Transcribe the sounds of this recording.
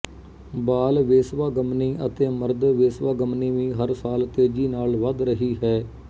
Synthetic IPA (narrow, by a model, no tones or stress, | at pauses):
baːlʋeːsʋaːɡəmniːʔət̪eːməɾd̪ʋeːsʋaːɡəmniːʋĩːɦəɾsaːlt̪eːd͡ʒiːnaːlʋəd̪ɾəɦiːɦɛː